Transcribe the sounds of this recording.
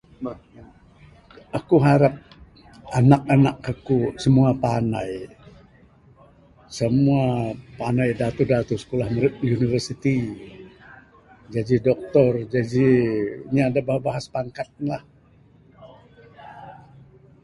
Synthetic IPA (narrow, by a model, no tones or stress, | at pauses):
akuɦaɾap̚ | anak̚anakːakusəmuapanaj | səmuapanajdat̪udat̪usə̥kolahməɾɪt̪̚univərsit̪i | d͡ʒad͡ʒidɔk̚t̪ɔrd͡ʒad͡ʒiɲaːdabahabaɦaspaŋkat̪̚lah